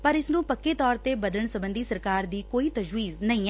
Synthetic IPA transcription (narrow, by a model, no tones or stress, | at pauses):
pəɾɪsnũːpəkːeːt̪ɔːɾt̪eːbəd̪ələɳsəbə̃nd̪iːsəɾkaːɾd̪iːkoːiːt̪əd͡ʒwiːznəĩː